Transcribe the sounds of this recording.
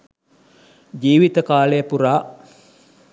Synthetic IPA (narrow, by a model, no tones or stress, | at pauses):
d͡ʒiːʋit̪əkaːləjəpuɾaː